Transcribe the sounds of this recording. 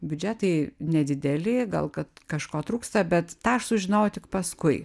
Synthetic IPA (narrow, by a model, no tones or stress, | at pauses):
bʲʊd͡ʒʲæt̪ɐɪnʲɛd̪ʲɪd̪ʲɛlʲɪɡɐ̰lˠkɐt̪kɐʃkoːt̪ɾuːkst̪ɐbʲɛt̪t̪ɑːɐʃsʊʒʲɪnɐʊjʊt̪ʲɪkpɐskʊɪ